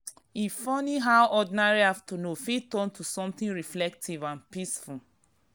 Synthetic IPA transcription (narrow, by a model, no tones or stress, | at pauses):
ifɔniɦawʔɔdinaɹihavtunofitɔ̃ntʰusɔ̃mθĩnɹiflɛk̚tʰivãnpisful